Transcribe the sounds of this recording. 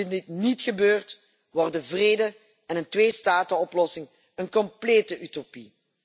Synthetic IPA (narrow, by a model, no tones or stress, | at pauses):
ɪndɪtnitxəbøːrt | ʋɔrdəvreːdə | ɛnəntʋeːstaːtəɔplɔsɪŋ | ənkɔmpleːtəʔytopi